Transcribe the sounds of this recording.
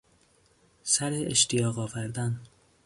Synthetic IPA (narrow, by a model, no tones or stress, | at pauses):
sæɾeeʃt̪ijɒːɣɒːvæɾd̪æn